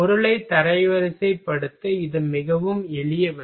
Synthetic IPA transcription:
ɔɾɯɭɐɪt̪ːɐɾɐɪʋɐɾɐsɐɪpːɐɽɯt̪ːɯɪðɯmɪɣɐʋɯmɛɭɪjɐʋɐ

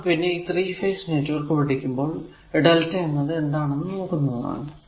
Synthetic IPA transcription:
pinːe̞iːt̪riːfɐjsneːtːuʋɐrkɨpɐʈikʲːumbo̞ːɭ | eɖɐltːɐjenːɐðɨe̞nd̪aːɳenːɨno̞ːkːunːɐða̰ːɳɨ

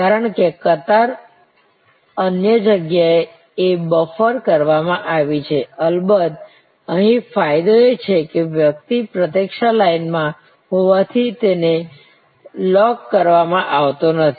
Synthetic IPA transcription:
kaɾəɳkekət̪aɾ | ənjəd͡ʒəɡjae | ebəfəɾkəɾʋamãʔaʋit͡ʃʰeəlbəd̪̚ | əɦĩfajd̪oet͡ʃʰekeʋjək̚t̪ipɾət̪ekʃalainmã | ɦoʋat̪ʰit̪ene | lɔkːəɾʋamãʔaʋt̪onət̪ʰi

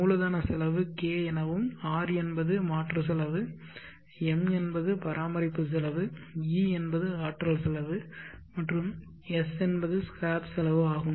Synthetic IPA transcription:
muːlɐðaːnɐsɛlɐʋɯkeːɛnɐʋɯmaːɾɛnbɐðɯmaːʈrɐs̬ɛlɐʋɯ | ɛmɛnbɐðɯpɐɾʔaːmɐɾɪpːɯs̬ɛlɐʋɯiːɛnbɐðɯaːʈɾɐlsɛlɐʋɯmɐʈrɯm | ɛsɛnbɐðɯskaːpsɛlɐʋɯaːɣɯm

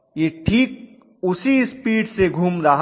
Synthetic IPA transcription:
jeːʈʰiːk̚ | ʊsispiːɖseɡʱuːmɾɐɦ

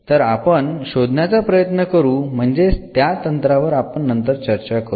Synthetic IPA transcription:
t̪əɾapəɳɕod̪ʱnjat͡sapɾəjət̪nəkəɾuːm̤əɳd͡zet̪jat̪ənt̪ɾaʋəɾapəɳːənt̪əɾt͡ɕəɾt͡ɕakəɾ

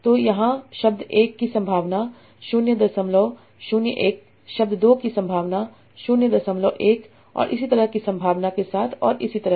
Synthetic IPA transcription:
t̪oːjɐɦãʃɐb̚d̪eːkːisɐ̃mbʱaːʋna | ʃʊnjəd̪ɐsɐmloː | ʃʊnjəʔeːk | ʃɐb̚d̪d̪oːkisɐ̃mbʱaːʋna | ʃʊnjəd̪ɐsəmloːʔeːk | ɔ̰ːɾʔɪsit̪ɐɾəɦkisɐ̃mbʱaːʋnakesaːt̪ʰɔ̰ːɾʔɪsit̪ɐɾə

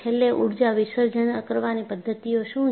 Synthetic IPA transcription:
elːeʔuɽd͡ʒaʋɪʃəɾd͡ʒənəkəɾʋanipəd̪ʱːət̪ioʃũ

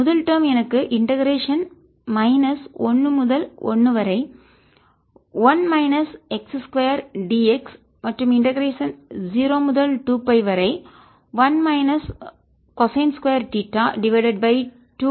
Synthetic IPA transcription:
mʊðɐlʈɐːmɛnɐkːɯʔɪɳʈɐɣɐɾeːʂɐn | mɐɪnɐsɔnːɯmʊðɐlɔ̰nːɯʋɐɾɐɪ | ʋɐnmɐɪnɐsɛksskʋɐjɐɾɖiːɛks | mɐʈrɯmɪɳʈɐɡɐɾeːʂɐnd͡ʒiːɾoːmʊðɐlʈuːpɐɪʋɐɾɐɪ | ʋɐnmɐɪnɐs | kɔsɐɪnskʋɐjɐɾʈiʈːaːɖɪʋɐɪɖɐɖ̚bɐɪ | ʈuː

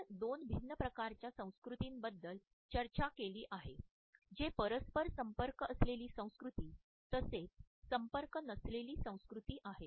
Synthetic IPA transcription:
d̪onbʱinːəpɾəkaɾt͡ɕjasə̃w̃skɾut̪iːnbəd̪ːəl | t͡ɕəɾt͡ɕakeliːʔaɦe | d͡ʑepəɾəspəɾsəmpəɾkəsleliːsə̃w̃skɾut̪iː | t̪əset͡ssəmpəɾkənəsleliːsə̃w̃skɾut̪iːʔaɦe

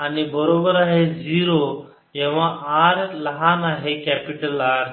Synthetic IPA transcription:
anibəɾobəɾaɦed͡ziɾo | ɦɛ̃ʋ̤aʔaɾləɦanaːɦekæpiʈəlaɽ

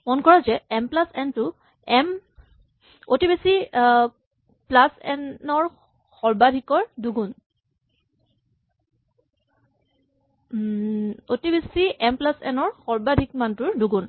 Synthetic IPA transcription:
mɔnkɔɹazɛɛmplasɛntʊ | ɛm | otibisi | plasɛ̰nɔɹ | xɔɹbadʱikɔɹduɡun | otibisiʔɛmplasɛ̰nɔɹxɔɹbadʱik̚mantʊɹduɡun

